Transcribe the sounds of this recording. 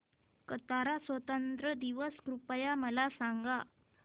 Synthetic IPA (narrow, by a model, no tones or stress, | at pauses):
kət̪aɾasʋət̪ənt̪ɾəd̪iʋəskɾupəjaməlasaŋɡa